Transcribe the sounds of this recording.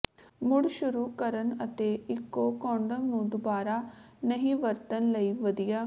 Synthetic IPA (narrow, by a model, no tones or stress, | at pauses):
mʊɽʃʊɾuːkəɾənət̪eːɪkːoːkɔ̃ːɳɖəʋnũːd̪ʊbaːɾaː | nəɦĩːʋəɾt̪ənləiːʋəd̪ɪjaː